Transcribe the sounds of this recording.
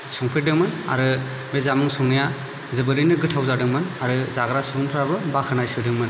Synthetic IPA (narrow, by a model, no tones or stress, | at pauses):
sɔŋpʰedɯŋmɯna̰ɾɯ | bezamɯŋsɔŋnija | zɯbɯɾɯnɯɡɯtʰawzadɯŋmɯnaɾɯzaɡɾasuɡɯŋpʰɾabɯbakʰɯnajsɯdɯŋmɯn